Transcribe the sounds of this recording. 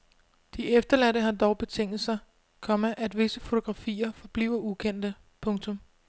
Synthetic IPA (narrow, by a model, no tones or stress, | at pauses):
d̥iefd̥ɐlædəɦɑ̈d̥ɒʊb̥e̝t͡sʰeŋ̰d̥l̩ˠsɑ̈ | kʰɒ̽məʔæd̥ʋe̝səfo̝t͡sʰo̝ɡ̥ʁɑ̈fḭːɐfɒ̽b̥lḭːʊɐukʰen̰d̥ə | pʰɔ̽ŋt͡sʰɔ̽m